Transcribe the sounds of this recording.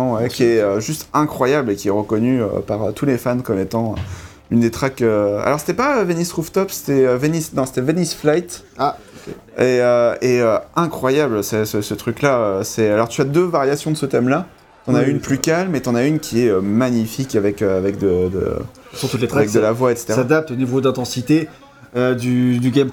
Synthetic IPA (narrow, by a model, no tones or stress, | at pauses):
wɛkʲiɛøʒyst̪ɛ̃kχwajablekʲiɛʁəkɔnyø̰paʁøt̪ʰulefankɔmet̪ɑ̃ø̰ | ynd̪et̪χakøa̰lɔʁse̥t̪ɛpaøvenisʁuft̪ɔpse̥t̪ɛøvenisnɔ̃se̥t̪ɛvenisflajt̪ | a | eøeøɛ̃kχwajablsɛsəsət̪χyklaøsɛalɔʁt̪yad̪øvaʁjasjɔ̃d̪əsət̪ɛmla | t̪ɑ̃naynplykalmet̪ɑ̃naynkʲʰiɛømaɲifikʲavɛkøavɛkd̪əd̪ə̰sɔʁt̪ut̪let̪ʁavɛk̚d̪əlavwaet̪se̥t̪easad̪ap̚t̪onivod̪ɛ̃t̪ɑ̃sit̪e | ød̪yd̪yɡʲam